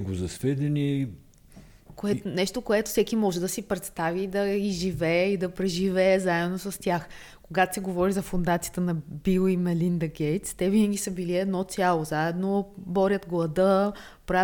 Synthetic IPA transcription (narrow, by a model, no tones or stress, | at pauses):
ɡozɐsvɛd̪ɛni | koɛnɛʃt̪okoɛt̪ʊ̥sɛkimɔʒɛd̪ɐsipɾɛt̪st̪avid̪ɐiʒivɛːid̪ɐpɾɛʒivɛːzaɛd̪nosɐst̪ʲjax | koɡat̪o̥sɛɡovɔɾizɐfond̪at̪sijət̪ənɐbilˠimɛlind̪ɐɡʲɛjt̪st̪ɛvinəɡʲisəbiliɛd̪nɔt̪sʲjalˠozaɛd̪nobɔɾʲjət̪ɡlˠɐd̪ə | pɾa